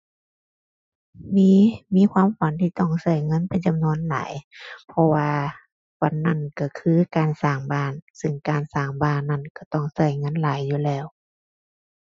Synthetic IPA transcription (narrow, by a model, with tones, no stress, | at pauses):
miː˧˥˨miː˧˥˨kʰwaː˧˥˨mfa˨˦nt̪ʰiː˧˨t̪ɔ˧˩ŋsa˧˩jŋɤ˧˥˨npa˨˦jt͡ɕa˧˦mnu˧˥ə˨nla̰ː˨˦jpʰɔ˧waː˧ | fa˧˩nːa˧˩˨nka˧˩kʰɯː˧˥˨kaː˨nsaː˧˩ŋbaː˧˩˨nsɯ˧˩ŋkaː˨˩nsaː˧˨˩ŋbaː˧˩˨nːa˧˩˨nka˧˩t̪ɔ˧˩ŋsa˧˩jŋɤ˧˥˨nlaː˨˦jːuː˧lɛː˧˩˨w